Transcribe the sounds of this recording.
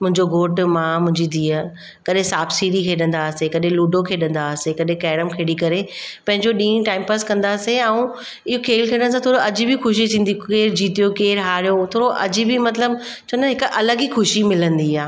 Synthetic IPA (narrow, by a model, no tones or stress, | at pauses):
mʊ̃ɦɪ̃ɲd͡ʑoɡoːʈmãmʊ̃ɦɪ̃ɲd͡ʑid̪ʱiːəɾ | kɐɗɦẽsaːbsiːɽikʰeɗɐ̃nd̪asekɐɗẽluːɖokʰeɗɐ̃nd̪aːsekɐɗɦẽkɛːɽəmkʰeːɽikɐɾepɐ̃ɦɪ̃ɲd͡ʑoɗĩːʈaːɪmpəskɐ̃nd̪aːseãũ | ɪɦokʰeːlkʰeːɽə̃ɽ̃s̬ãt̪ʰoːɽoɐd͡ʑɪbɪxʊʃit̪ʰĩːnd̪ikeːɾd͡ʑiːt̪ijokeːɾɦaːɾijot̪ʰoːɾoʔɐ̰d͡ʑɪbɪmɐt̪ləb | t͡ɕʰoːnɦɪkʔɐləɡixʊʃimɪlə̃nd̪iaː